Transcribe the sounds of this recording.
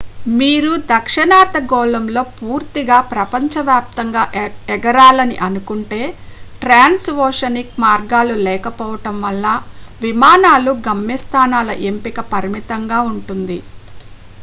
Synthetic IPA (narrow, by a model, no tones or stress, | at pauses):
miːɾud̪ɐkʂɐɳaːt̪ɐɡɔːlɐmlo̞ːpuːɾt̪iɡaːpɾɐpɐɲt͡ʃɐʋjaːp̚t̪ɐŋɡaːɛɡɐɾaːlɐnḭʔɐnukuɳʈe̞ːʈɾaːnsʋɔːʂɐnikmaːɾɡaːlulɛːkɐpɔːʋɐʈɐmʋɐlːɐʋimaːnaːluɡɐmjɐst̪ʰaːnaːlɐʔempikɐpɐɾmit̪ɐŋɡaːuɳʈund̪i